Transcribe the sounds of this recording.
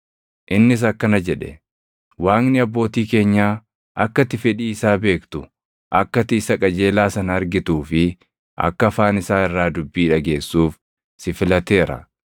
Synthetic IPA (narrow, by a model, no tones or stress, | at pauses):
ʔɪnːɪs̬ɐkːɐnɐd͡ʒɛᶑɛ̰ | waːŋnɪɐbːo̞ːt̪iːke̞ːɲːaː | ʔɐkːɐt̪ːɪfɛᶑiːɪsaːbe̞ːkt̪ʊ | ʔɐkːɐt̪ɪɪsɐkʼɐd͡ʒe̞ːlaːsɐnɐɐɾɡɪt̪uːfɪ | ʔɐ̰kːɐɐfaːnɪsaːɪrːaːd̪ʊbːiːᶑɐɡe̞ːsːuːf | sɪfɪlɐt̪e̞ːɾɐ̰